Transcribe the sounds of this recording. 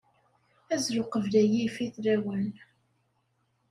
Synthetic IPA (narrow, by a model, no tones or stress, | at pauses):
æzɾʊqəvlæjifiθɾæwən